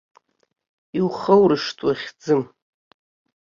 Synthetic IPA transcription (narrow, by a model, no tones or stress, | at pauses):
iwχəwrɨʂtʼwaχʲd͡zɨm